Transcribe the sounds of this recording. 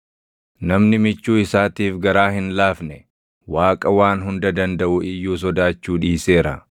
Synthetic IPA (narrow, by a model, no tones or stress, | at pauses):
nɐmnɪmɪt͡ʃːuːɪsaːt̪iːfɡɐɾaːɦɪnlaːfnɛ | waːkʼɐwaːnɦʊnd̪ɐd̪ɐnd̪ɐʔʊɪjːuːs̬ɔd̪aːt͡ʃːuːᶑiːseːɾɐ̰